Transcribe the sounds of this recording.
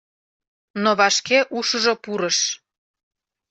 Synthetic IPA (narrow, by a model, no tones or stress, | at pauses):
noβɑʃkeʔuʃəʒopuɾəʃ